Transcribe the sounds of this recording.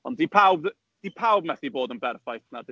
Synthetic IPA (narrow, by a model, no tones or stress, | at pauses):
ɔndipʰawbð | d̥ipʰawb̚mɛθiboːdənbɛrfajθnad